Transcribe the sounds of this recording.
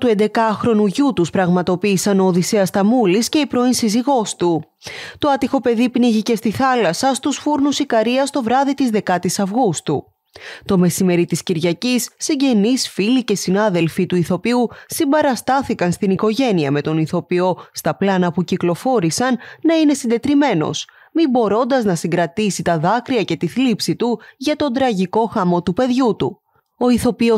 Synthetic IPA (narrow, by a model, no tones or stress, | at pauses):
t̪ue̞nd̪e̞kɐxɾo̞nuʝut̪uspɾɐɣmɐt̪o̞piːsɐno̞ːðiseɐst̪ɐmulisce̞ipɾo̞insiziɣo̞st̪u | t̪o̞ɐt̪ixo̞pe̞ðipniʝice̞st̪iθɐlɐsɐst̪usfuɾnusikɐɾiɐst̪o̞vɾɐðit̪izðe̞kɐt̪isɐvɣust̪ṵ | t̪o̞me̞sime̞ɾit̪isciɾʝɐcisːiɲɟe̞nisfilice̞sinɐðe̞lfit̪uiθo̞piusimbɐɾɐst̪ɐθikɐnst̪iniko̞ʝe̞niɐme̞t̪o̞niθo̞pio̞st̪ɐplɐnɐpuciklo̞fo̞ɾisɐnːɐine̞sind̪e̞t̪ɾime̞no̞̰s | mibo̞ɾo̞nd̪ɐznɐsiŋɡɾɐt̪isit̪ɐðɐkɾiɐce̞t̪iθlipsit̪uʝɐt̪o̞nd̪ɾɐʝiko̞xɐmo̞t̪upe̞ðʝut̪ṵ | o̞iθo̞pio